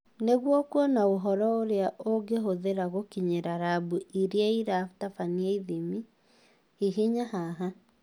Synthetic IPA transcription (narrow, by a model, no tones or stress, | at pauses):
neɣwɔkwɔnaoɦɔɾɔoɾeaʔoɡeɦoðeɾaɣokiɲeɾaɾabuiɾeaiɾaftafaniaiðimi | hiɦiɲaɦaɦa